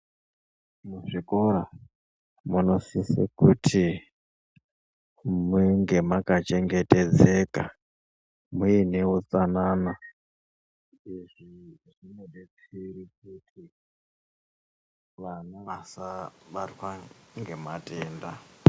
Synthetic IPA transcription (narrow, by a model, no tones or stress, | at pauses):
muʐiko̞ɾa | muno̞sisḭkutʰi | muŋɡe̞makat͡ʃe̞ŋɡe̞te̞d͡ze̞ka̰ | muine̞ut͡sanana | iʐiʐinodet͡sirikutʰi | ʋanaasaɓatwaŋɡe̞matʰe̞ːnda